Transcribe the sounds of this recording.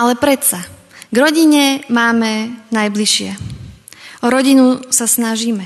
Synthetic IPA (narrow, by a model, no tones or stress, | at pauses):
alɛpɾɛt̪sa | ɡɾɔɟiɲɛmaːmɛnajbliʃɪɛ | ʔɔɾɔɟinusasnaʒiːmɛ